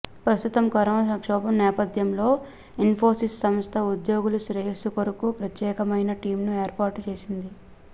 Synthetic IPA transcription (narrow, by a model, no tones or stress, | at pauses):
pɾɐst̪ut̪ɐmɡɐɾɐmɐsɐŋkʂɔːbɐmnɛːpɐd̪jɐmlo̞ː | inpʰoːsissɐmst̪ʰɐud̪joːɡuluʃɾɐɦisukoɾukupɾɐt̪jɛːkɐmɐjnɐʈiːmnueːɾpaːɾʈt͡ʃe̞ːsind̪i